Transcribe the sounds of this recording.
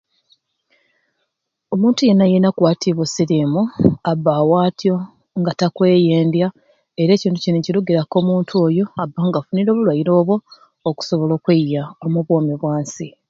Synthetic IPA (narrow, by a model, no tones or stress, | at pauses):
o̞muːntuje̞nːaje̞nakwaːtʰiβosiɾimuabːawaːtijo̞ | ŋɡatakwe̞ːjeːndja | e̞ɾe̞ːciːntuciniciluɡiɾako̞ːmuːntʰuo̞jo̞abːaːŋɡafuniɾo̞ːβulwajiɾo̞ːβwo̞ː | ku̥so̞βo̞lo̞ːkwejːaomuβwo̞ːmiβwaːnsi